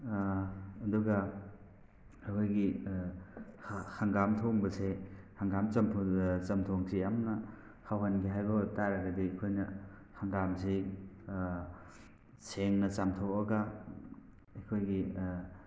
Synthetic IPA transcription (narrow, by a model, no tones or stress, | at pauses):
ɐduɡɐ | ɐjkʰojɡi | haŋɡamtʰoŋbɐse | haŋɡamt͡ʃɐmpʰut͡ʃɐmtʰoŋsʰijamnɐ | hawɦɐnɡiɦajbɐtaɾɐɡɐdiɐkʰojnɐ | haŋɡamsi | seŋnɐt͡ʃamtʰowɐɡɐ | ɐjkʰojɡi